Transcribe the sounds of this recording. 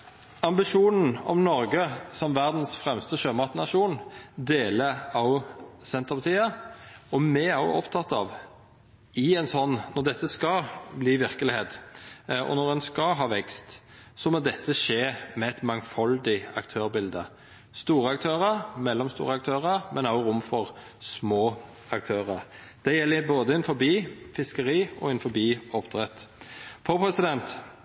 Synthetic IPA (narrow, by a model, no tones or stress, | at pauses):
ɑmbɪʂuːnn̩ɔ̰mnɔɾɡəsɔmʋæʁd̪n̩sfʁɛmst̪əʃøːmɑʁt̪nɑʃuːnd̪eːləɑʊsɛnt̪əʁpɑt̪ʰiːəɔmɛɑʊɔpt̪ʰɑt̪ːɑ̰ːʋ | ɪɛnsɔnːnːɔʁd̪ɛt̪ːəskɑbliːʋɪʁkəlɪheːt̪ | ɔ̰nɔɾɛnskɑɦɑːʋɛkst̪ | sɔmɔd̪ɛt̪ʰːəʂeːmɛæt̪mɑŋfɑld̪ɪɑkt̪ʰøːʁbɪld̪ə | st̪uːɾəɑkt̪ʰøːʁəɾmɛlːɔmst̪ṵːʁəɑk̚t̪ʰøːʁəɾmʔɛnɑʊɡʊmfɔʁ | smoː | ɑk̚t̪ʰøːʁəʁ | d̪̥ɛjɛlːɪboːd̪əɛnfɔɾbiːfɪskəʁiːɔ̰ɛnfɔbiːɔpt̪ʰʁɛt̪fɔɾpʰɾɛsɪd̪ɛnt̪